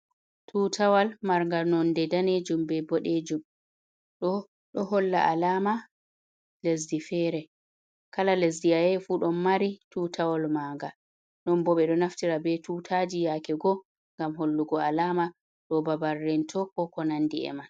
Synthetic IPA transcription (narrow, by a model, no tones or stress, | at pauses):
tʰuːtʰawalmaɾŋɡanɔndɛdaneːd͡ʒumbɛbɔɗed͡ʒum | ɗɔ | ɗɔhɔlːa̰ʔalama | les̬difɛːɾɛ | kalales̬diajɛfuːɗɔnmaɾituːtawalmaːŋɡa | nɔnbɔɓɛɗɔnaftiɾabɛtuːtʰad͡ʒijakɛɡɔ | ŋɡamɦolːuɡɔalama | ɗɔbabarːɛntʰɔkɔkɔnandiɛ̰man